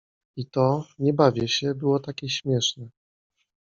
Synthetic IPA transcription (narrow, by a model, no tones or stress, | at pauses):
it̪ɔɲɛbavʲjɛɕɛbɘwɔt̪akʲɛɕmʲjɛʂnɛ